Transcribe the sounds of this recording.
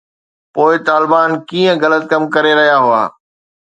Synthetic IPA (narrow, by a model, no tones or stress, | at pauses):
poːɪt̪aːlɪbaːnkiːə̃ɣɐlət̪̚kɐmkɐɾeɾɐɦijaɦʊa̰ː